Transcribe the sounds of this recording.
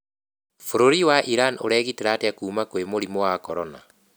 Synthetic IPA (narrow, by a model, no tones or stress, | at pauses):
foɾoɾiwaʔiɾanoɾɛɣiteɾateakuːmakowemoɾimowakɔɾɔna